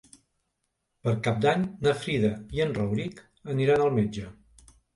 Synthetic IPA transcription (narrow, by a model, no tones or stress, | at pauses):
pəɾkap̚d̪aɲnəfɾiðəiənrəwɾik | əniɾanəlˠmed͡ʒə